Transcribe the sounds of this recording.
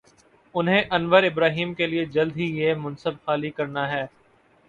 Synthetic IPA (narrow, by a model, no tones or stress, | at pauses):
ʊnɦẽʔɐnʋəɾɪbɾaːɦiːmkelied͡ʒɐld̪ɦijemʊnsəbxaːlikɐɾnaɦɛː